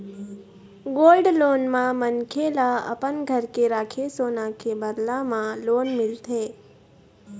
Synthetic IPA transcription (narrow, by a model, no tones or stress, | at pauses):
ɡoːlɖloːnmãmənkʰelaə̰pənɡʱəɾkeɾaːkʰesoːnakebəd̪lamãloːnmɪlt̪ʰeː